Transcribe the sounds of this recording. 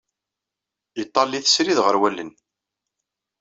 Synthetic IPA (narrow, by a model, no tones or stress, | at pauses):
it̪ˤːɑlːiθə̥sɾiðʁəɾwælːə̰n